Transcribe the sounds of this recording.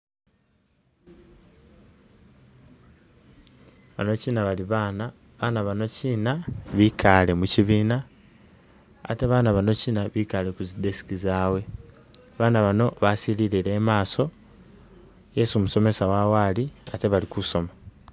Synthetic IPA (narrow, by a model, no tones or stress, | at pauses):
βa̰no̞ciːnaβaliβaːna | βanaβano̞ciːnaβikʰale̞muciβiːna | a̰te̞βaːnaβano̞ciːnaβikale̞kuzide̞si̥kizawe̞ | βaːnaβano̞βasililiɾe̞ːmaːso̞ | je̞sumuso̞me̞sawawaliate̞βalikuso̞ma